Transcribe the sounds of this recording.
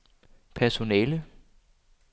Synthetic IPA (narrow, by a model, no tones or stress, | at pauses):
pʰæɐso̝nɛːlə